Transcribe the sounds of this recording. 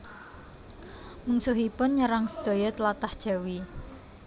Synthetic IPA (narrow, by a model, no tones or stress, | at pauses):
muŋsʊɦipʊnɲəɾaŋsə̥d̪̥o̤jɔt̪əlat̪ahd̥ʒ̥a̤wi